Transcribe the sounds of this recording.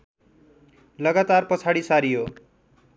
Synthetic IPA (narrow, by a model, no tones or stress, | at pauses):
lʌɡat̪arpʌt͡sʰaɽisaɾijo